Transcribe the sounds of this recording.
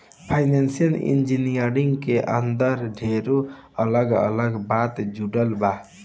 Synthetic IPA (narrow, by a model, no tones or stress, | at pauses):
pʰajnensijəlḭnd͡ʒinijəɾiŋɡkeʔə̰nd̪əɾɖʱeɾoələɡə̰ləɡbat̪d͡ʒuɽəlba